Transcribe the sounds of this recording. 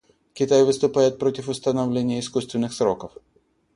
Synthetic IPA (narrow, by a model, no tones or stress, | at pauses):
kʲɪt̪ajvɨst̪ʊpajɪt̪̚pɾotʲɪfʊst̪ɐnɐvlʲenʲɪjəɪskust̪vʲɪnːɨxsɾokəf